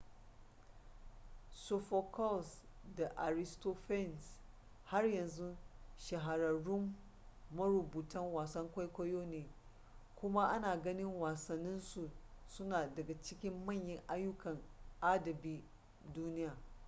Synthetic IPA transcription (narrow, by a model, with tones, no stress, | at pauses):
so˨ɸɐ˨kʰɔ˦˨lsda˨ʔa˨ɾɪ˦sto˦ɸɛ˦˨ns | ha˦rjɐ˨nzu˦ʃɐ˨ɦa˨ɾɐ˨ɽʊ˦mː | ɐ˦ɾʊ˨buː˨tɐ˦ŋwaː˨sɐ˦ŋkʷa˦jkʷɐ˦joː˦neː˨ | kʷʊ˦ma˦ʔa˦naː˨ɡɐ˦nɪ˦ŋwaː˨sɐ˨nːɪ˦nsu˨sʊ˦naː˨dɐ˨ɡa˨t͡ʃɪ˦kʲɪ˦mːɐ˦˨ɲjɪ˦ŋʔa˦jːʊ˦kɐ˨ŋʔa˦dɐ˨biː˦ | duː˦nɪ˦jaː˨